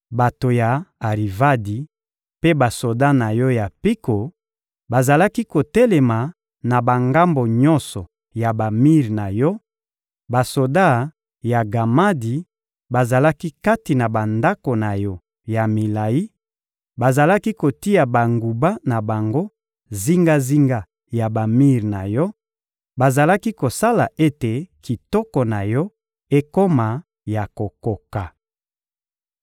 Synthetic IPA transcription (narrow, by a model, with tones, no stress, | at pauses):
ba˨to˨ja˨a˨ʁi˨va˦di˨ | pe˦ba˨so˨da˦na˨jɔ˦ja˨pi˦ko˨ | ba˨za˨la˦ki˦ko˨tɛ˦lɛ˨ma˨ | na˨ba˨ŋɡa˦mbo˨ɲɔ̃˦nsɔ˨ | ja˨ba˨mi˦ʁna˨jɔ˦ | ba˨so˨da˦˨ | ja˨ɡa˨ma˦di˨ | ba˨za˨la˦ki˦ka˦ti˨na˨ba˨nda˦ko˨na˨jɔ˦ | ja˨mi˨la˨ji˦ | ba˨za˨la˦ki˦ko˨ti˦ja˨ba˨ŋɡu˨ba˦na˨ba˨ŋɡo˦ | zi˦ŋɡa˦zi˦ŋɡa˦ | ja˨ba˨mi˦ʁna̰˨jɔ˦ | ba˨za˨la˦ki˦ko˨sa˦la˨ʔe˦te˨ki˨tɔ˦kɔ˨na˨jɔ˦ | e˦ko˦ma˨ | ja˨ko˨ko˨ka˨